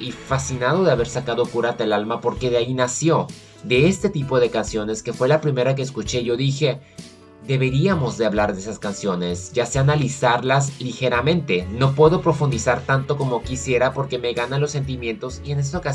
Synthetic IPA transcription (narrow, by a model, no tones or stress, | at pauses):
ifasinað̞o̞ðe̞aβe̞ɾsakað̞o̞kuɾat̪aelalmapo̞ɾke̞ðeainasjo̞ | ðe̞est̪e̞t̪ipo̞ðe̞kansjo̞ne̞ske̞fwe̞lapɾime̞ɾak̬e̞ːs̬kut͡ʃe̞ʝo̞ðixe̞ | d̪e̞βe̞ɾiamo̞zðe̞aβlaɾðeesaskansjo̞ne̞sʝaseanalisaɾlaslixe̞ɾamẽ̞nt̪e̞no̞pwe̞ðo̞pɾo̞fund̪isaɾt̪ant̪o̞ko̞mo̞kisje̞ɾapo̞ɾke̞me̞ɣananlo̞sːe̞nt̪̬imjẽ̞nt̪o̞sie̞ne̞s̬t̪aoka